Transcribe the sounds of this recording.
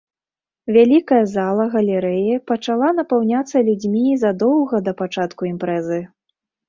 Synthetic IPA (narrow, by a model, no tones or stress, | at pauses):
vʲalʲikɐjɐzalˠɐɣɐlʲɛɾɛjɐpɐt͡ʂalˠanɐpawnʲat̪sːɐlʲud͡zʲmʲizɐd̪ɔwɣɐd̪ɐpat͡ʂat̪kuimpɾɛzɨ